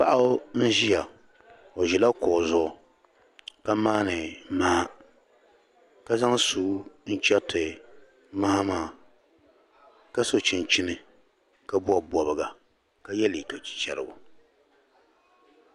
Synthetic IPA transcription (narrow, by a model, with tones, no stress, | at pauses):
pa̰˦ʔa˦n̩˦ʒi˦ja˨ | o˨ʒɛ˨la˦kɔ˨zʊ˦ʔʊ˨ | ka˦maː˦nɨ˨ma˦a˦ | ka˦za˦ŋsuː˨˦n̩˦t͡ʃɛ˦tɨ˨ | ma˦ha˦maː˦˨ | ka˦so˨t͡ʃɪ˨nt͡ʃi˦nɨ˨ | ka˦bu˦a˨bɔ˨bɨ˨ɡa˨ | ka˦jɛ˦li˨ka˨t͡ʃi̥˨t͡ʃɛ̰˨ɾɨ̰˨bʊ̰˨